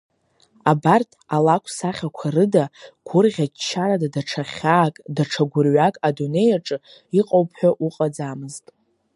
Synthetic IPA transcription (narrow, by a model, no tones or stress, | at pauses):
abartʰʼalakʷʰsaχʲakʷʰarɨdaɡ̥ʷʊrʁʲat͡ʃʰːaɾadadaʈ͡ʂʰaχʲaːkʼdaʈ͡ʂʰaɡʷʊrɥakʼadune̞jaʈ͡ʂʼɨ | iqʼowpʰħʷᶣaʔuqʼad͡zamɨztʼ